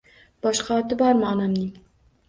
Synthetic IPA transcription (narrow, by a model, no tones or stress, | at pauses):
b̥ɒʃqɑːt̪ɪbɑɾmɑːnamni